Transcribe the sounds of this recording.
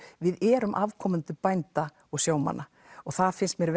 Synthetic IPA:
vɪðɛːɾʏmʔavkʰɔmʏnt̪ʏpajnt̪a | ɔɣsjaːwma̰nʔa | ɔɣθaðfɪnst̪mjɛɾv

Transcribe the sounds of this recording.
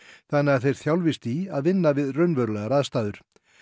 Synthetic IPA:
θanːɪaθejɾ̥θjawlvɪst̪iaðvɪnːavɪðrœɥnvœɾlɛɣaɾaðst̪aːðʏɾ̥

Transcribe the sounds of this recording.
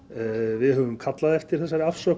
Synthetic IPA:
vɪðɦœvʏmkʰat̪laðɛft̪ɪɾ̥θɛsːaɾafsœː

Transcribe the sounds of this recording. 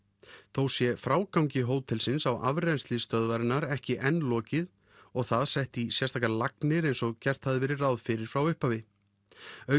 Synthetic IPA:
θowsjɛfɾaːwkawŋcɪɦoːwt̪ʰɪlsɪnsawa̰vɾɛnslɪst̪œðvaɾɪnaɾɛhcɪʔɛnlɔːcɪð | ɔɣθaðsɛht̪isjɛɾst̪ʰaːkalaknɪɾejnsɔɣcɛr̥t̪haðɪvɛɾɪrawðfɪɾɪɾ̥fɾawʏhpavɪ | œ

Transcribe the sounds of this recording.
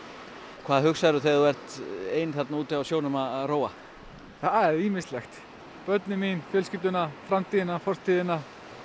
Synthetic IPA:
kʰv̥aːðhʏxsaɾʏθeðuvɛr̥t̪eːjnθat̪nauːt̪ɪawsjoːwnʏmaðaðroːwa | θaðɛɾiːmɪst̪lɛxt̪ | pœt̪nɪminfjɛlscɪt̪ʏnafɾamt̪ʰiːðɪnafɔr̥t̪ʰiːðɪna

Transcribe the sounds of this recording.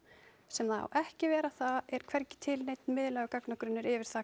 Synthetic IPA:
sɛmðaa̰wʔɛhcɪvɛːɾaθaðɛɾ̥kʰvɛɾcɪ̥t̪ʰɪlnejt̪̚nmɪːðlɛːɣʏkaknakɾʏnːʏɾɪvɪɾ̥θa

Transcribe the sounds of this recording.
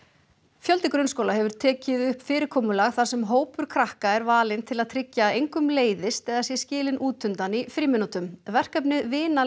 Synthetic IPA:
fjœlt̪ɪkɾʏnskowlaɦɛvʏɾ̥t̪ʰɛːcɪðʏhpfɪːɾɪɾkʰoːmʏlaɣθḁsɛmɦoːwpʏɾ̥kʰɾahkaɛɾvaːlɪnt̪ʰɪlaðt̪ʰɾɪcːaːðejŋkʏmleːjðɪst̪ɛðasjɛscɪːlɪnʔuːt̪ʏnt̪anifɾiːmɪnːut̪ʏmvɛr̥kapnɪðvɪːna

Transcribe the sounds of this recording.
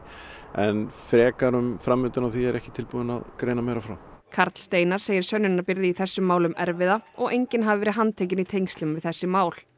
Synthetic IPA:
ɛ̰nfɾɛːkaɾʏmfɾamːʏːt̪ʏnawθiɛɾɛhcɪ̥t̪ʰɪlpuːðɪna̰ðkɾeːjnameːjɾafɾa̰wkʰaɾt̪l̥st̪eːjnaɾ̥seːjɪɾ̥sœnːʏnːaɾpɪɾðɪiθɛsːʏmːaːwlʏmɛɾvɪðaɔɣʔejɲcɪnɦavɪvɛːɾɪɦanːt̪ʰeːjc̬ɪnit̪ʰejŋst̪lʏmvɪðθɛsːɪmaːwl̥

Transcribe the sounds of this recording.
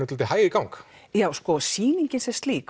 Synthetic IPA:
ʏt̪lt̪ɪhajɾɪkawŋk | jawskɔsiːniɲcɪnsɛst̪liːk

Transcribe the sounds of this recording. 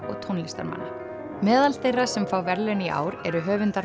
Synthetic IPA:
ɔ̰ɣt̪ʰownlist̪a̰ɾma̰nːa | mɛːðalθejrːasɛmfaːwvɛɾlɛniʔa̰ːwɾɛɾʏɦœːvʏnt̪aɾ

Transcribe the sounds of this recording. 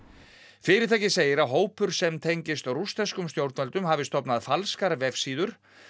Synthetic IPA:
fɪːɾɪɾt̪ʰaːjcɪseːjɪɾaðɦoːwpʏɾ̥sɛmt̪ʰejɲcɪst̪rust̪ɛskʏmst̪jowɾt̪nvɛlt̪ʏmhaːvɪst̪ɔpnaðfalskaɾvɛfsiːðʏɾ̥

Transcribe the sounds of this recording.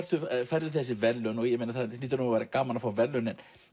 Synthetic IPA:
ɾðʏfɛɾðʏθɛs̬ːɪvɛlːœnɔɣjɛmejnaθaðniːt̪ːɾnʏmavajɾakaːmanafawvɛlːœnɛn

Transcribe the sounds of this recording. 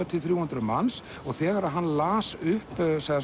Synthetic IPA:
at̪ʰɪlθɾjuːhʏnt̪ɾʏma̰ns | ɔɣθɛːɣaɾaðɦanːlaːsʏhpsɛɣða

